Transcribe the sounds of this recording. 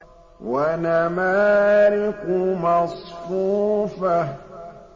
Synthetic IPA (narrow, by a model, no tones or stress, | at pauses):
wanamaɾɪkumasfuːfa